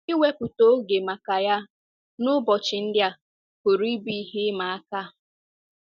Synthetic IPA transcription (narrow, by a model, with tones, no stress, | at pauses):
i˦we˦pʊ˨to˦ɡe˨ma˨ka˨ja˦ | nʊ˦bɔ˨t͡ʃɪ˨n̩˦dja˦ | kʊ˨ɾi˦bi˦ɦi˦ma˨a˦ka˦